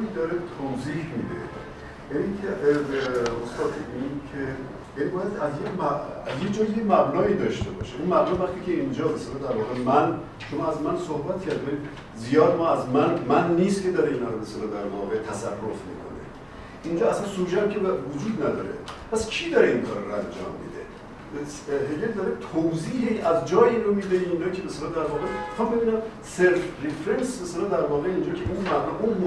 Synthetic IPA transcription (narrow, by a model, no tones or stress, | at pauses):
id̪ɒːɾet̪ʰozihmid̪ḛ | jænicʰe | ost̪ɒːt̪ʰiinkʰe | jæːnibɒːjæd̪æzjemæzjed͡ʒɒːjemæbnɒːiːd̪ɒːʃt̪e̞bɒ̰ːʃeunmæbnɒːvæχt̪iːcʰeind͡ʒɒːbeselɒːd̪æɾvɒːɣe̞mæn | ʃomɒːæzmænsohbæt̪cʰʲæɾd̪imæni | zijɒːd̪mɒːæzmænmænːiːst̪cʰe̞d̪ɒːɾeinɒːɾobeselɒːd̪æɾvɒ̰ɣet̪ʰæsærːofmḭːkʰo̰nḛ | ind͡ʒɒːæslænsuːʒæmcʰevod͡ʒuːd̪næd̪ɒ̰ːɾḛpʰæscʰiːd̪ɒɾeinkʰɒːɾɾæ̰nd͡ʒɒ̰ːmːḭːd̪ḛ | ɦeɡeld̪ɒːɾet̪ʰowziːɦeæzd͡ʒɒːjiːnɾomiːd̪eiːnd͡ʒɒːcʰebeselɒːd̪æɾvɒːɣexæmbe̞biːnæm | seɾfɾefɾensbeselɑd̪æɾvɒːɣeiːnd͡ʒɒːcʰeʔunmænɒʔunmo